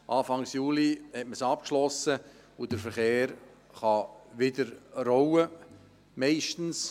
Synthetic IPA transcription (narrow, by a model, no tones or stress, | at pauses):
ʔɑːfɑŋsjuːlihɛtməsɑp̚kʃlɔsə | ʊd̥əɾfəɾχeːɾ | χɑʋɪdəɾrowə | mɛɪʃtn̩s